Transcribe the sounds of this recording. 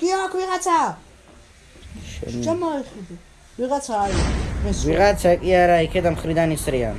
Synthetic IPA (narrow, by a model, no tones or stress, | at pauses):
ɡ̥iaakʰwiʁat͡sʰa | ʃɛ̰t͡ʃamaiχid̪i | wiɣat͡sʰaːɾimɛswiʁaakʼiaɾaikʰɛd̪amχɾid̪anisɾia̰